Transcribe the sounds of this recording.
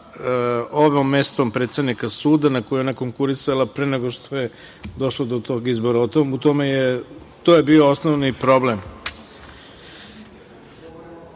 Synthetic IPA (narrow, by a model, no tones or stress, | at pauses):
oʋomːe̞st̪ompɾet̪sed̪nikasuːd̪anakojuonako̞ŋkuɾisalapɾeneɡoʃt̪ʰoje | d̪o̞ʃlod̪ot̪oːɡizboɾaot̪omut̪omeje | t̪ojebioosnoʋnipɾo̞blem